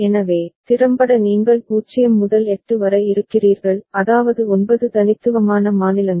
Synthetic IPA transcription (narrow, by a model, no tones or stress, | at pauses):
ɛnɐʋeːt̪ɪɾɐmbɐɽɐniːŋɡɐɭpuːt͡ʃːɪjɐmːʊðɐlɛʈːrɯʋɐɾɐɪɾɯkːɪriːɾɣɐɭɐðaːʋɐðɯɔnbɐðɯt̪ɐnɪt̪ːɯʋɐmaːnɐmaːnɪlɐŋ